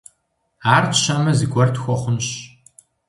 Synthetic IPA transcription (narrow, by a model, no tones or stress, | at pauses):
aːrtɕɐmɐzɨɡʷɔrtʰxʷɔχʷʊnɕ